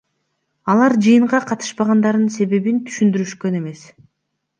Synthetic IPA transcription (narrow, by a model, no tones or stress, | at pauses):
ɑlˠɑɾd͡ʒɯjɯɴʁɑqʰɑt̪ɯ̥ʃbɑʁɑnd̪ɑɾd̪ɯnse̞βe̞βint̪ʰy̥ʃynd̪yɾyʃkø̞ne̞me̞s